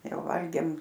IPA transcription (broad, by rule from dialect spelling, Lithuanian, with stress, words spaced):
ˈjɛʊ ˈʋɐlʲɡʲeːm